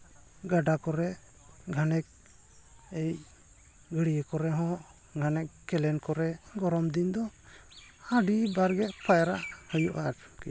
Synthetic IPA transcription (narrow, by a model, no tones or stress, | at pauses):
ɡaɖakɔɾɛ | ɡʱanɛk̚ | ej | ɡəɽijəkɔɾɛɦɔ̃ʔ | ɡʱanɛkː | ɛlɛnkɔɾɛɡɔɾɔmd̪ind̪ɔ | aɖibaɾɡɛʔpʰajɾaʔhəjuʔaɾki